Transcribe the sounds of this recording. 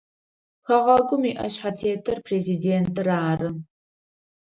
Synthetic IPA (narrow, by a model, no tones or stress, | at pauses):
xɐʁɐɡʷʊmiːʔɐ̰ɕħatʰeːtʰɐrpʰrezideːntʰɨraːrɨ